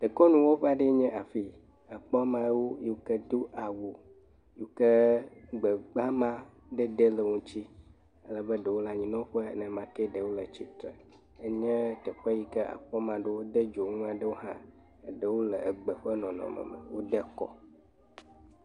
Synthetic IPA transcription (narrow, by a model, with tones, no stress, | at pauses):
ɖ̥ə˨kɔ˦nũ˨wo˦ɸa˦ɖe˦ɲɛ̃˦ʔa˨fi˦ | a˨k͡pɔ˦mã˨˦wo˦je˦wo˦kɛ˦d̪u˦ʔa˨wu˨ | je˦wu˦kɛ˦ɡ͡bə˨ɡ͡ba˦mã˦ɖə˦ɖe˦lə˨ŋũ˦t͡ɕi˦ | ə˦lə˨be˦ɖə˨wo˦la˦ɲĩ˨nɔ̃˦ɸɛ̰˦nɛ̃˨mã˨kɛ˦ɖə˨wo˦lə˨t͡ɕi˦t̪ɾə̰˨ | e˦ɲɛ̃˦t̪ɛ˨ɸa˦ji˦kɛ˦a̰˨k͡pɔ˦mã˨ɖe˦wo˦d̪e˦d͡ʒo˨ŋũ˦ã˨ɖə˦wo˦ɦã˦ | e˦ɖə˦˨wo˦lə˨ʔə˨ɡ͡bə˨ɸə˦nɔ̃˨nɔ̰̃˨mə̰̃˨mə̰˨wo˦ɖɛ˦kɔ̰˦